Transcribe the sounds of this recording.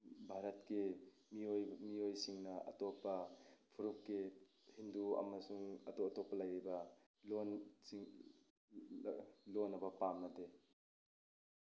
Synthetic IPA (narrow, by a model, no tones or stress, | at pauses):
bʱaɾɐt̚ki | miojmiojsiŋnɐɐ̰tɔpːɐpʰuɾukːi | hinduɐ̰mɐsuŋɐ̰totɔpːɐlɐjibɐ | lonsiŋ | lonːɐbɐpamnɐde